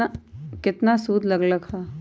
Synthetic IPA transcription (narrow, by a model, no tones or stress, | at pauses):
kɪt̪nasuːd̪ʱlɐɡləɡhaː